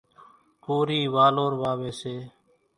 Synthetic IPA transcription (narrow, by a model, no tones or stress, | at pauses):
koːɾiːʋaːloːɾʋaːʋeːseː